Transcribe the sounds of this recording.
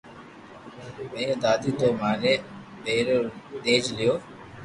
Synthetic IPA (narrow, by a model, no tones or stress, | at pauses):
ə̃ːẽːd̪aːd̪iːt̪oːmaːneː | ɓeːɾoːɗ̪eːd͡ʒlɪjoː